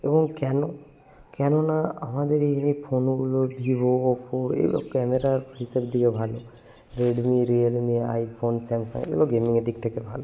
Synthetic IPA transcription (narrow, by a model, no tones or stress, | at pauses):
ebɔŋkɛnɔ | kɛnɔnaamad̪eɾiinipʰonuɡulobʱiboːpʰoḛlo̰kɛmeɾaɦisabd̪ikebʱalu | ɾeɖmiɾielmia̰jpʰonsɛmsa̰ŋḛloɡemiŋedik̚t̪ʰɛkebʱalu